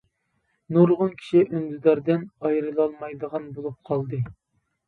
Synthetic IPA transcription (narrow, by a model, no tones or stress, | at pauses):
nuɾʁʊnkʲʰi̥ʃiʔønd̪ɪd̪ɑɾd̪ɪnɑjɾɨlˠɑlˠmɑjd̪əʁɑnbolˠup̚qʰɑlˠd̪ɨ